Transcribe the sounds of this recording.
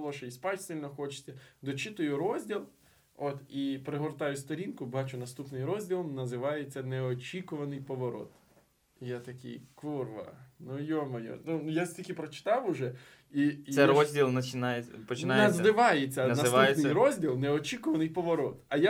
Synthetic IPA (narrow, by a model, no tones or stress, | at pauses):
lˠɔʃeispɑtʲsɪlʲnɔxɔt͡ʃɪ̥t͡sʲːɐd̪ɔt͡ʃit̪ʊjʊɾɔzʲdʲilˠ | ot̪ipɾeɦɔrt̪ɑjʊst̪ɔɾʲinkʊbɑt͡ʃʊnɐst̪upnɪjɾɔzʲdʲilˠɔmnɐzɪʋɑjet͡sʲːɐneɔt͡ʃʲikʊʋɐnɪjpɔʋɔɾɔ̰t̪ | jat̪ɐkɪ̰jkurʋɐ̰nʊjɔmɔjɔ̰nunjasʲtʲilʲkʲɪpɾɔt͡ʃɪ̥t̪ɑwʊʒɛ | isɛrɔzʲdʲilˠnɐt͡ʃɪnajpɔt͡ʃɪnj̪ɐzd̪ɪʋɑjet͡sʲːɐnɐsʋ̪aujenʲɪjɾɔzʲdʲilˠneɔt͡ʃʲikʊʋɐnɪjpɔʋɔɾɔt̪ɐja